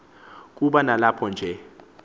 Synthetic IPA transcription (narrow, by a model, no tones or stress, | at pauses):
k̬ʼuɓanalapʰɔnd͡ʒʱɛ